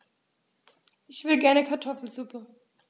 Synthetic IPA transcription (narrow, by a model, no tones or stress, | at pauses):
ʔɪçv̥ɪlɡɛɐnəkʰaɐtʰɔfl̩zuːpʰə